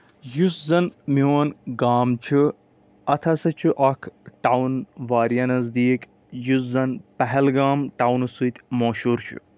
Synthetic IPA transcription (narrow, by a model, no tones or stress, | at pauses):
juszɐnmiːɐnɡaːmt͡ʃʰu | ɐt̪ʰɐsɐt͡ʃʰuʔɐkʰʈawnʋaːɾjɐnɐzd̪iːk | juszɐnpɐɦɛlɡaːmʈawnusut̪ʲmoːʃuːɾt͡ʃʰṵ